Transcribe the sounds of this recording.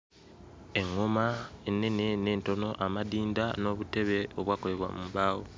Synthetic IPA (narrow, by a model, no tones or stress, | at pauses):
e̞ŋːomaenːe̞nene̞ːnto̞no̞ʔamadiːndano̞ːβute̞βe̞oβwaːkole̞βwa̰mumbaːwo